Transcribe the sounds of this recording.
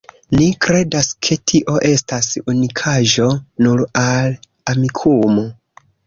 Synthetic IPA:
nikɾe̞daskʰe̞tʰiʔo̞ʔe̞stasunikʰaʒo̞nuɾal | amikʰumo

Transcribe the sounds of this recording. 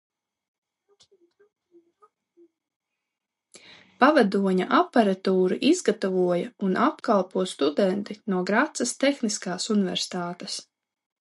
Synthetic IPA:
pavad̪uɔɲa̰ʔapaɾat̪uːɾiʔizɡat̪ɔvuɔjɐunʔapkalˠpuɔst̪ud̪ɛnt̪inuɔɡɾat̪sɐst̪exniskaːsunivɛ̰ɾsi̥t̪aːt̪es

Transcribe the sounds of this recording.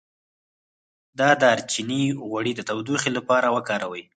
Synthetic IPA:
d̪ɑd̪ɑɾt͡ʃiniɣwaɽid̪ət̪awd̪uxilapɑɾawəkɑɾawəj

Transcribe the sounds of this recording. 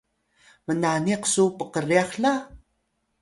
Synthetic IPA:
mənaniqsupəqəriaxɬa

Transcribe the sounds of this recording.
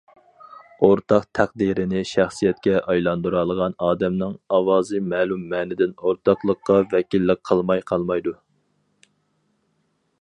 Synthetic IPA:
oɾt̪ʰɑqt̪ʰæqd̪iɾɪnɪʃæχsijɛt̪̚kʲɛʔɑjlˠɑnd̪uɾɑlˠəʁɑnɑːd̪ɛmnɨŋɑwɑːzɨmɛːlumːɛːnɪd̪ɪnoɾt̪ʰɑqlˠəqːɑvɛkʲilːɪqqʰːəlˠmɑjqʰɑlˠmɑjd̪u

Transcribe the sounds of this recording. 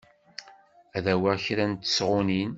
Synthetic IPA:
æðæwæçɾænt̪ːə̥sʁʊnin

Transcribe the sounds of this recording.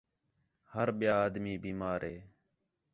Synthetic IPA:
həɾɓɪjaːaːd̪miːbiːmaːɾeː

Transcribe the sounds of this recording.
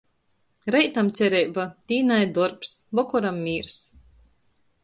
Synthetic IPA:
ɾɛjt̪amt̪sʲɛɾɛjbat̪ʲiːnajd̪ɔɾpsbɔkɔɾamːiːɾs

